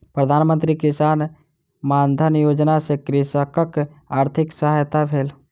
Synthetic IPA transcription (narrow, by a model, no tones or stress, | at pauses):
pɾəd̪ʱaːnmə̃nt̪ɾikɪsaːn | maːnd̪ʱənjoːd͡ʒnasekɾɪsəkək | aːɾt̪ʰɪksəɦajt̪abʱeːl